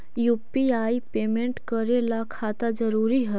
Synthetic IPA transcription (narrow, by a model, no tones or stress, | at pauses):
jupiaipemeɳʈkəɾelakʰat̪ad͡zəɾuɾiɦə